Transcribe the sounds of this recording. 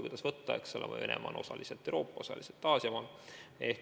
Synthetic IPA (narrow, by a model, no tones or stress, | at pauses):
kujd̪ɑsvɤt̪ːɑeksolḛmʔɑ̰enḛmʔɑ̰ːnʔo̞sɑlʔiselt̪ːˑeɾo̞ːpːˑɑosɑ̰liselt̪ːˑɑːsjɑmɑle̞h